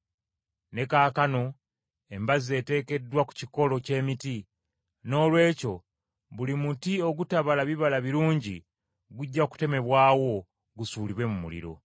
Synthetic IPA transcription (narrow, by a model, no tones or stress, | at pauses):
ne̞kaːkano̞ | e̞mbaze̞ːte̞ːke̞dwaku̥ciko̞lo̞ce̞ːmiti | no̞ːlwe̞ːco̞ | βulimutio̞ɡutaβalaβiβalaβiɾuːɲɟḭ | ɡuɟːaku̥te̞me̞βwaːwo̞ | ɡusuːliβwe̞mumṵlḭɾo̞̰